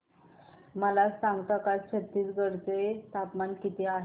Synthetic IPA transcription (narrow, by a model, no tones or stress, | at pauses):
məlasãŋɡt̪akast͡ɕʰət̪ːiːt͡sɡəɽt͡set̪apmankit̪eaɦ